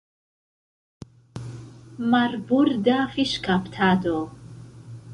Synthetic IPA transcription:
maɾbuɾd̪afiʃkʰapʰt̪ʰad̪ɔ

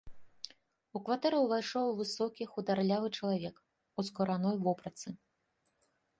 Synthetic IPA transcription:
ukvat̪ɛɾɐwvajʂɔwvɨsɔkʲixud̪arlʲavɨt͡ʂɐlˠavʲɛk | uskɐɾanɔjvɔpɾɐt̪sɨ

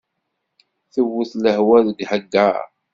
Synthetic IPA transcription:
θəwːʊθləhwæðəɡhəɡːaɾ

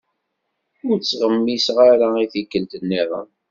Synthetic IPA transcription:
ʊɾt͡sːʁəmːisʁaɾaiθikːəlt̪ənːɪðˤə̰m

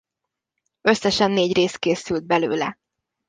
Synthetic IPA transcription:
øsːɛʃɛnːeːɟreːst̪̚keːsyld̪̚bɛlø̰ːlɛ̰

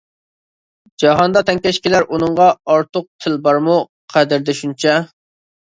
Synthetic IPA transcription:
d͡ʒɑɦɑnd̪ɑt̪ʰɛŋkʲɛʃkʲilæɾʔunɨɴʁɑɑɾt̪ʰʊq̚t̪ʰɪlbɑɾmu | qʰæd̪ɪɾd̪ɛʃunt͡ʃʰɛ

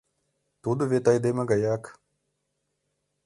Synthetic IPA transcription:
t̪ud̪uʋet̪ajd̪emɐɡɐjaːk

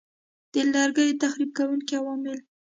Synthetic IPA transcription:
d̪̥əlɑɾɡəjt̪axɾib̚kawuŋkiawɑmɪl

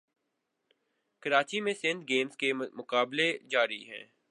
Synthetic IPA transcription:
kɐɾaːt͡ʃimẽsɪ̃nd̪̚ɡeːmzkemʊkaːbled͡ʒaːɾiɦɛ̰̃ː

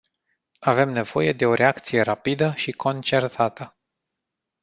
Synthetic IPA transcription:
ave̞mne̞v̥o̞je̞d̪e̞o̞ɾʔe̞akt̪sije̞ɾapid̪əʃikʰo̞nt͡ʃe̞rt̪ʰat̪ə

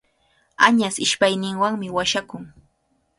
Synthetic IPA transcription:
aɲasɪʃpajnɪŋwaŋmɪwaʃakʊŋ

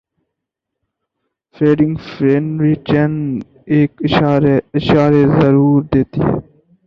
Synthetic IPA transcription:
fɾeːɖɪŋɡfɾeːnɾiːt͡ʃen | eːkɪɾeɪʃaːɾeːzəɾuːɾd̪eːt̪ḭː

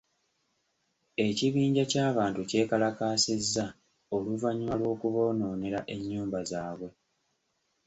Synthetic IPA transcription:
e̞ciβiːɲɟacaːβaːntuce̞ːkalakaːsezːa | oluvaɲimalwo̞ːkuβo̞ːno̞ːne̞ɾaʔe̞ɲːuːmbazaːβwe̞

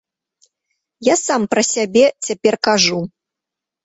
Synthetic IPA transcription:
jasampɾɐsʲabʲɛt͡sʲapʲɛrkaʐu

